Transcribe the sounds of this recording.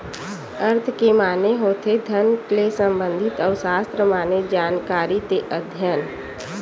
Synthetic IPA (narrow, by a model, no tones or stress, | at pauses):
əɾt̪ʰkemaːneɦoːt̪ʰed̪ʱənklesə̃mbə̃nd̪ʱɪt̪ɔːʊsaːst̪ɾəmaːned͡ʒaːnkaːɾit̪eʔəd̪ʱjən